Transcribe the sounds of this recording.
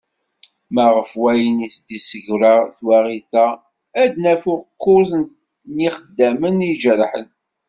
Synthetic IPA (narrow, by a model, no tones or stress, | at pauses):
mæʁəfwæjənist̪isəʝɾəθwæʁiθæ | æd̪næfʊqːʊzn | niχəd̪ːæmənid͡ʒəɾħə̰n